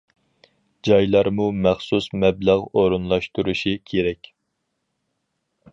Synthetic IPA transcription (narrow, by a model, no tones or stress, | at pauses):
d͡ʒɑjlˠɑɾmumæχsusmɛblæʁoɾunlˠɑʃt̪uɾuʃikʲʰeɾɛkʲ